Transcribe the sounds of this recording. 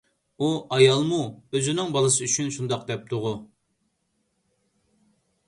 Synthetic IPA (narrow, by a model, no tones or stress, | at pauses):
uʔɑjɑlˠmuøzynɪŋbɑlˠɨsɨyt͡ʃʰynʃund̪ɑqd̪ɛp̚t̪ʰʊʁu